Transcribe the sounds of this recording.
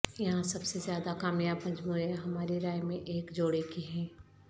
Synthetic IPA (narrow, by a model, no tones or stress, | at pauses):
jɐɦãsɐbsezjaːd̪akaːmijapɐ̃ɲd͡ʒmueɦɐmaːɾeɾaːjmẽʔeːkd͡ʒoːɽekiɦɛ̃ː